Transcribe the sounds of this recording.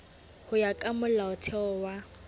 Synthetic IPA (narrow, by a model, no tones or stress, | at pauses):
hʊjakʼamʊlaʊtʰɛɔwa